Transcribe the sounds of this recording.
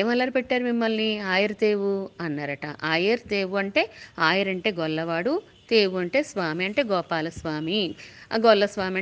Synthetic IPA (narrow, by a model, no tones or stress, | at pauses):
eːmɐlːɐːɾupɛʈːaːɾumimːɐlniaːjɐɾd̪e̞ːʋuɐnːaːɾɐʈɐ̰ʔaːjɐɾt̪eːʋuɐɳʈe̞ːaːjɐɾɐɳʈe̞ːɡɔlːɐʋaːɽu | t̪eːʋuɐɳʈe̞ːsʋaːmiɐɳʈe̞ːɡɔːpaːlɐsʋaːmiɡɔlːɐsʋaːmiɐ